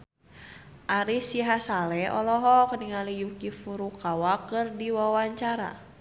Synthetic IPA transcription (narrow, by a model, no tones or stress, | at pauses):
ʔaɾisiɦasalɛɔlɔɦɔkəniŋalijukifuɾukawakɨrdiwawaɲt͡ʃaɾa̰